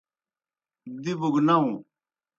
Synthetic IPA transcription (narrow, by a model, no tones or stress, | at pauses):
d̪ibuɡnaũ